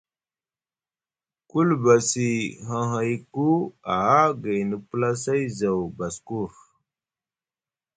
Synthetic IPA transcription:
ku˦lba˨si˨ɦa˨ɦa˨jku˦a˨a˦ɡa˨jnə˨pla˦sa˦jza˨wba˨sku˦˨ɾ

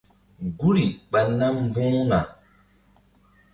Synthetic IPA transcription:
ɡu˦ɾi˨ɓa˨nːa˦m˨bũː˦na˨

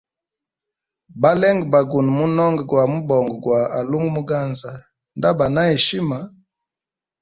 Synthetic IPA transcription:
ba˦lɛ˦ŋɡba˨ɡu˨n˨mu˦nɔ˦ŋɡɡwa˨mu˦bɔ˨ŋɡɡwa˨a˨lu˦ŋɡmu˦ɡa˦nza˨ | nda˦ba˨na˦e˨ʃi˦ma˨

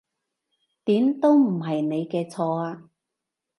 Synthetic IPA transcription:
t̪iː˨˥mt̪o˥wm̩˨˩ɦɐ˨jne˨˧jkɛː˧t͡sʰɔː˧aː˧

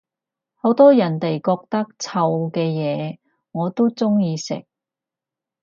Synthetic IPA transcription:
ho˨˥wt̪ɔː˥jɐ˨˩nt̪e˨jkɔː˧k̚t̪ɐ˥k̚t͡sʰɐ˧wkɛː˧jɛː˨˧ | ŋɔː˨˧t̪o˥t͡sʊ˥ŋjiː˧sɪ̰˨k̚

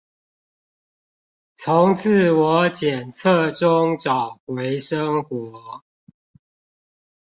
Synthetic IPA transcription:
t͡sʰʊ˨˦ŋt͡s̩ʰ˥˨wɔ˨˦t͡ɕjɛ˨˩nt͡sʰə˥˨ʈ͡ʂʊ˦ŋʈ͡ʂɑ˨˩ʊxwe˨˦ɪʂə˦ŋxwɔ˨˦

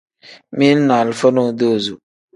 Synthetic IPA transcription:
mi˦na˨lfə˦no˦˨do˦˨zu˨

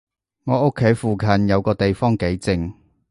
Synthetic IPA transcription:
ŋɔː˨˧ʊ˥kʰːe˨˥jfuː˨kʰɐ˨˩njɐ˨˧wkɔː˧t̪e˨jfɔː˥ŋke˨˥jt͡sɪ˨˧ŋ

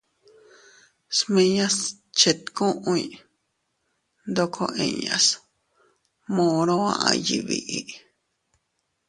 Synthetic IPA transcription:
smẽ˧ɲã˦s | t͡ʃe˨t̪kũ˦ʔũ˧˦i˧ | nd̪o˧kʰo˧ʔẽ˨ɲa̰˨s | mõ˧ɾõ˦ã̰˧ʔã̰˧ji˨βḭ˧ʔi˨

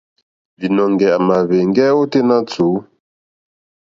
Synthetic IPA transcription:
vi˨nɔ˨ŋɡɛ˨a˨ma˨βe˨ŋɡɛ˦o˦te˦na˦t͡su˨˦

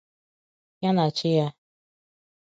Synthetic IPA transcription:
ja˦na˨t͡ʃɪ˦ja˦

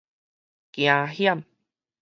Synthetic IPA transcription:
kjãː˨˧hja˦˥˨m

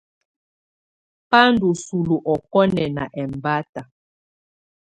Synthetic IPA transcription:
pa˦ndu˨su˨lu˨ʔɔ˨kɔ˦nɛ˨na̰˨ʔɛ˨m˨ba˦ta˨

